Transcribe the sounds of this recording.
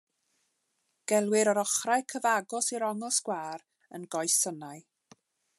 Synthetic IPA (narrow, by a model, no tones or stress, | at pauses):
ɡ̥ɛlˠwɪɾɔɾɔχrajkʰəvaɡɔsiɾɔŋɛlˠskwaːɾ | ə̰nɡɔjsənaj